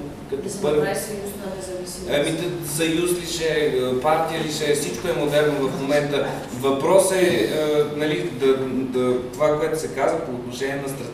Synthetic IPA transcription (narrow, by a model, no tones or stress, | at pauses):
kɐt̪ɔpɾsjusnɛzɐviiɐmit̪sɐjusliʃɛəpaɾt̪ijəliʃɛfsit͡ʃkoɛmod̪ɛɾnovɐfmomɛnt̪ə | vɐpɾɔsɛənɐlid̪ɐət̪ovakoɛt̪ʊsɛkazvəpoːt̪noʃɛniɛnɐst̪ɾ